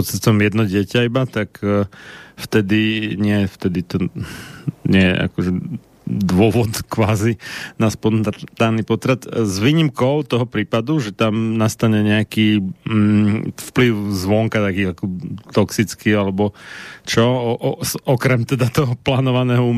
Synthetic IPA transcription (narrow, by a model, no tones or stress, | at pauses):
ɔt͡sɛst̪ɔmjɛd̪nɔɟɪɛcaibat̪ak | ft̪ɛd̪iɲɪɛɛft̪ɛd̪it̪ɔ | ɲɪɛjɛ̰ʔa̰kɔʒɛ | d̪ʋʊɔʋɔt̪kʋaːzinaspɔnt̪aːnipɔt̪ɾat̪zʋiɲimkɔʊt̪ɔɦɔpɾiːpad̪uʒɛt̪amnast̪aɲɛɲɛakiː | fpliʊzʋɔŋkat̪akiːakɔt̪ɔksit͡skialɛbɔt͡ʃɔʔsɔkɾɛmt̪ɛd̪at̪ɔɦɔplaːnɔʋanɛːɦɔu